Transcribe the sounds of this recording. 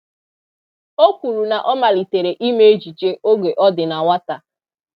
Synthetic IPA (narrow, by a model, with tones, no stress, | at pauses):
o˦kʷu˨ɾu˨na˨ʔɔ˦ma˨li˨te˨ɾe˨ʔi˦me˦e˦d͡ʒi˨t͡ʃe˦ʔo˦ɡe˨ʔɔ˦dɪ˨na˨wa˦ta˨